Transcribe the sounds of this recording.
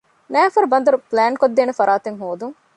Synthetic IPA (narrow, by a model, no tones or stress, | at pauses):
nɛːfɐɾubɐnd̪ɐɾuplæːnkod̪ːeːnefɐɾaːt̪eŋɦoːd̪uŋ